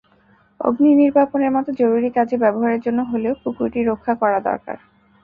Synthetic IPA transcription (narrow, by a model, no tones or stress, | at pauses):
o̰ɡniniɾbʱaponeɾmɔt̪od͡ʑoɾuɾikad͡ʑebɛboɦaɾeɾd͡ʑonːoɦoleokukuʈiɾokʰːakɔɾad̪ɔ̰ɾka̰ɾ